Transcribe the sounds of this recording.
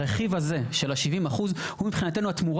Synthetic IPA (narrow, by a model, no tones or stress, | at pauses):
ʁeχivhazeʃe̞laʃivimaχuz | humipχinate̞nuat̪muʁ